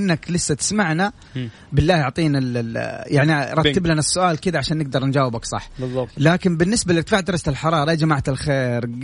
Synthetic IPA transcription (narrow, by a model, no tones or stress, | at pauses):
ɪnːaklɪsːat̪ɪ̥smaʕna | bɪlːaːjʊʕt̪ˤiːnaljʔaʕniɑɾˤɑt̪ːɪblanasːʊʔaːlkɪd̪aʕaʃaːnːɪɡ̚d̪ɑɾˤnd͡ʒaːwɪbaksˤɑ̰ħːbzˤːɑlaːkɪnbɪnːɪsbalɪt̪faːʕd̪ɑɾˤɑsat̪ɪlħɑɾˤɑːɾˤɑʔed͡ʒamaʕt̪ɪlxeːɾ